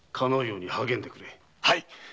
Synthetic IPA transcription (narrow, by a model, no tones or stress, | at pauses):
kʰanojoɲihaɡe̞nd̪e̞kɯɾe | haj